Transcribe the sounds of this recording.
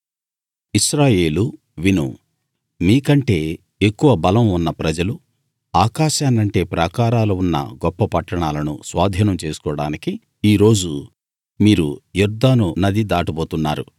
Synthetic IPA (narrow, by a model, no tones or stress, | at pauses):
iʃɾaːje̞ːlu | ʋinṵ | miːkɐɳʈe̞ː | ekːuʋɐbɐlɐmunːɐpɾɐd͡ʒɐlu | aːkaːʃaːnɐɳʈe̞ːpɾɐkaːɾaːlɐunːɐ̰ɡɔpːɐpɐʈːɐɳaːlɐnṵsʋaːd̪ʱiːnɐmt͡ʃe̞ːsu̥kɔːɽa̰ːniki | iːɾo̞ːd͡ʒu | miːɾujuɾd̪aːnunɐd̪id̪aːʈibo̞ːt̪unːaːɾu